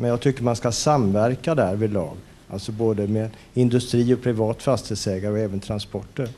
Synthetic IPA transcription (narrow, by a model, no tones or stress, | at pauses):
mɛnjɑːɡ̚t̪ʰʏkːəɾmanskasamvæɾkad̪æɾvɪlɑ̰ːɡ | a̰lsɔboːd̪əmeːd̪ | ɪnd̪ɵst̪ɾiːɔpʰɾɪvɑːt̪fast̪əsɛːɡaɾəɔɛːvənt̪ʰɾanspɔʈːəɾ